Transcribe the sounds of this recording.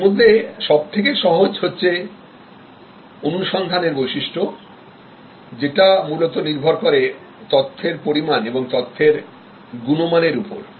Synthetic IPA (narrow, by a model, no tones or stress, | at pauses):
mod̪ʱːeʃɔb̚t̪ʰek̬eʃɔɦod͡ʑɦotːɕʰe | onuʃɔnd̪ʱaneɾbojʃiʃʈʰo | d͡ʑeʈamulot̪oniɾbʱoɾkoɾe | t̪ɔt̪ʰːeɾpoɾimaneboŋt̪ɔt̪ʰːeɾ | ɡunomaneɾupo̰ɾ